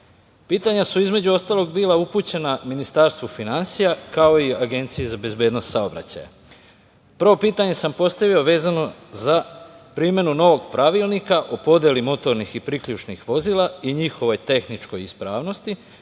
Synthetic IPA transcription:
piːt̪aɲasuizme̞d͡ʑuo̞st̪alo̞ɡbiːlaupuːt͡ɕe̞naminist̪aɾst̪ʋufinansijakao̞iaɡe̞nt̪sijezabe̞zbjed̪no̞st̪saobɾa̰t͡ɕa̰ja̰ | pəɾʋo̞piːt̪aɲe̞sampo̞st̪aʋio̞ʋe̞ːzano̞zapɾime̞nuno̞ʋo̞ɡpɾaʋilˠnikaʔopo̞d̪jelimo̞t̪o̞ɾnixipɾikʎut͡ʃnixʋo̞ziːlˠaiɲixo̞ʋo̞jt̪e̞xnit͡ʃko̞jispɾaːʋno̞st̪i

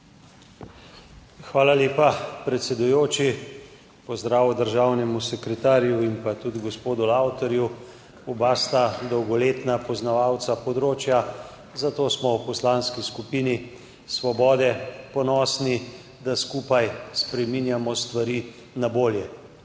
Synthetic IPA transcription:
xʋaːlaleːpapɾɛt̪sɛd̪ujoːt͡ʃi | pɔzd̪ɾaːwɔd̪əɾʒaːwnɛmusɛkɾɛt̪aːɾjuimpat̪ud̪ɡɔspoːd̪ulawt̪ɔɾju | ubaːst̪ad̪ɔwɡɔleːt̪napɔznaʋaːwt̪sapɔd̪ɾoːt͡ʃja | zat̪oːsmɔwpɔslanskiskupiːni | sʋɔbɔːd̪ɛpɔnɔːsni | d̪askupajspɾɛminjamɔst̪ʋaɾiː | naboːljɛ

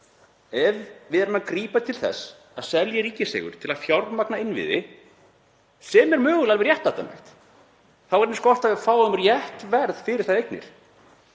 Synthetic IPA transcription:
ɛvvɪðɛɾʏmakɾiːpat̪ʰɪlθɛ̰sː | aðsɛljaɾiːcɪsɛ̰ːɣʏ̰ɾ̥t̪ʰɪlaðfjawɾmaknaɪnːvɪ̰ðɪ̰ | sɛːmɛɾmœːɣʏlalvɪɾjɛht̪awt̪a̰nɛ̰xt̪ | θawɛɾnskɔr̥t̪avɪðfaːwʏmrjɛht̪vɛɾðfɪɾɪɾ̥θaðejknɪ̰ɾ̥

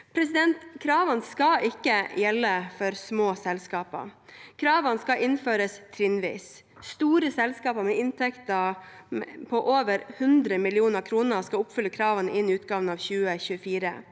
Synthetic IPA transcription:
pʰɾɛsɪd̪ɛnt̪kʰɾɑːʋənskɑʔɪkːəjɛlːəfɔɾsmoːsɛlskɑːpə̰kʰɾɑːʋənskɑʔɪnføːɾəst̪ʰɾɪnʋḭːs | st̪uːɾəsɛlskɑːpəɾmɛɪnt̪ʰɛkt̪ə | mpʰɔʔoːʋəɾhʉnd̪ɾəmɪlɪuːnəɾkʰɾuːnəɾskɑlʊpfʏləkʰɾɑːʋənəʔɪnɪʉːt̪̚ɡɑːʋənɑːʋçʉːəçʉːəfiːɾə̰

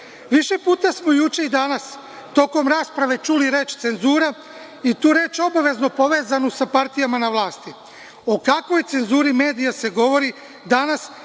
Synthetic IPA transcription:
ʋiʃe̞puːt̪asmo̞jut͡ʃe̞id̪anas | t̪o̞ːko̞mɾaːspɾaʋe̞t͡ʃuliɾe̞ːt͡ʃt̪se̞nzuːɾa | it̪uːɾe̞t͡ʃo̞baʋe̞znopo̞ʋe̞ːzanusapaɾt̪ijamanaʋlˠaːst̪i | o̞kakʋo̞jt̪se̞nzuːɾime̞ːd̪ijase̞ɡo̞ʋo̞ɾi | d̪anas

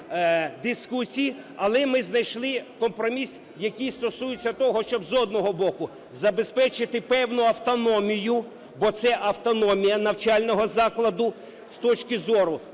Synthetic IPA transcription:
d̪ɪskusʲiji | ɐlˠɛmɪznɐjʃlˠɪkɔmpɾɔmʲis | jɐkijst̪ɔsujɪt͡sʲːɐt̪ɔɦɔʃt͡ʃɔbzɔd̪nɔɦɔbɔkʊ | zɐbespɛt͡ʃɪt̪ɪpɛwnʊɐwt̪ɔnɔmʲijʊ | bɔt̪sɛʔɐwt̪ɔnɔmʲijɐnɐwt͡ʃɑlʲnɔɦɔzɑklˠɐd̪ʊ | st̪ɔt͡ʃkɪzɔɾʊ

